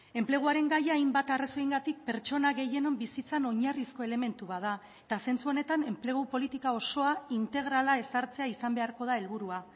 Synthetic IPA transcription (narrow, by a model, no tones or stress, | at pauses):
e̞mple̞ɣ̞uaɾe̞ŋɡajaːjmbat̪araso̞iŋɡat̪ik̚pe̞ɾt͡ʃo̞naɣe̞je̞no̞mbisit͡sano̞ɲarisko̞e̞le̞me̞nt̪uβaða | e̞t̪ase̞nt͡suo̞ne̞t̪ane̞mple̞ɣ̞upo̞lit̪ikao̞so̞aint̪e̞ɣ̞ɾalae̞saɾt͡se̞aisambe̞aɾko̞ð̞ae̞lβuɾua